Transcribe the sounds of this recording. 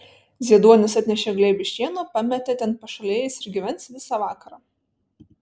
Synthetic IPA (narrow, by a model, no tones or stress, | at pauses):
zʲiɛd̪uɔnʲɪsɐt̪ʲnʲɛʃʲeːɡlʲɛːbʲɪʃʲtʲiɛnɐpɑmʲɛt̪ʲɛt̪ʲɛntpɐʃɐlʲeːjɛɪsɪɾɡʲɪʋʲɛnʲt̪sʋʲɪsɑʋɑːkɐɾɑː